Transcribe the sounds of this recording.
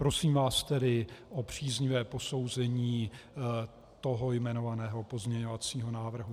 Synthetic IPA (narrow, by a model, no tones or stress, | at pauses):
pɾo̞siːmvaːst̪ɛdɪʔopr̝̥iːzɲɪvɛːpo̞so̞wzɛɲiː | t̪o̞ɦojmɛno̞vanɛːɦo̞po̞zmɲɛɲo̞vat͡siːɦo̞naːvr̩ɦu